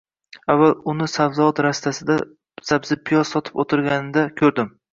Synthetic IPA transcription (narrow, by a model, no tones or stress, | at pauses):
avːalʊnɪsavzɒt̪ɾast̪ʰasɪd̪a | z̥abzɪpʰijɒzsɒt̪ʰɪ̥pot̪ʰɪɾɡʲanɪd̪akʲʰɵɾd̪ɪm